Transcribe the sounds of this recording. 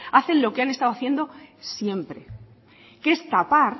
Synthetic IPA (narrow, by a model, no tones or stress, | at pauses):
aθe̞nlo̞keane̞st̪aðoaθje̞nd̪o̞sje̞mpɾe̞̰ | kest̪apaɾ